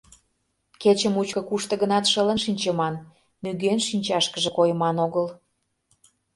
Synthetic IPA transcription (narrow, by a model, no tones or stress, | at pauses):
ket͡ɕə̆mut͡ɕkɤ̆kuʃt̪ə̆ɣənɑt̪ʃələ̆nʃinʲt͡ɕə̆mɑn | myɣenʃinʲt͡ɕɑʃkəʒə̆kojə̆mɑnoɣəl